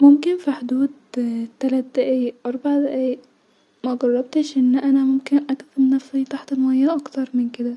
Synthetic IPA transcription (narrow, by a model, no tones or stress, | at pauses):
momkɪnfiħod̪uːd̪̚t̪ːælæt̪̚d̪æʔæjʔɑɾˤbaʕd̪æʔæː | mæɡɑrˤːɑb̚t̪eʃʔɪnːʔænæmʊmkɪnʔækθɑɾnæfsit̪ˤaħt̪elmæjːæʔɑkt̪ɑɾˤmɪnked̪æ